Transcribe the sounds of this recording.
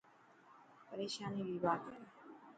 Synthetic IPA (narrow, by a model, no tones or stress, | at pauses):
pəɾeːʃaːniːʋiːʋaːd̪